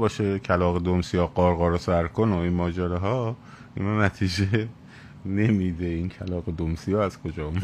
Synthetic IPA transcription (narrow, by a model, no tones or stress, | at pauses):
bɒːʃecʰælɒːɣed̪omsijɒːɢɒːɾɣɒːɾosæɾkʰonoinmɒːd͡ʒæɾɛɦɒː | inɒːnæt̪ʰiːd͡ʒe | ne̞miːd̪eincʰælɒːɣed̪omsijɒːæz̥kʰod͡ʒɒː